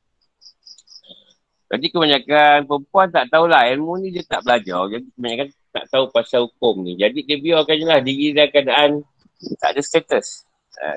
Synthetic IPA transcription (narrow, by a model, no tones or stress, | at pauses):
ɡadikəbaɲakanpəmpuant̪aʔt̪aulahjɛnmunĩdiat̪aʔbəlad͡ʒɔd͡ʒadikəbaɲakan | t̪a̰ʔt̪aupasahukʊmnid͡ʒadidiəbiɔkaɲalahdiɡilakəadaʔan | t̪a̰ʔdast̪et̪əs | a̰